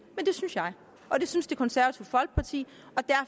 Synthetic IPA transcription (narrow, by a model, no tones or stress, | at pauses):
mend̥e̝synsjɑ̈ɪ | ɒ̽d̥e̝synsd̥e̝kʰɒ̽nsæɐʋɐt͡sʰiʊfɒ̽l̰ɡ̥̚pʰɑ̈t͡sʰḭː | ɒ̽d̥æɐ